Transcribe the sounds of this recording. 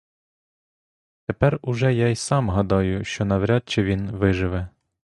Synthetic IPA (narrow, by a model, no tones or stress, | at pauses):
t̪epɛrʊʒɛjajsɑmɦɐd̪ɑjʊʃt͡ʃɔnɐʋɾʲɑt̪̚t͡ʃɛʋʲinʋɪʒɪʋɛ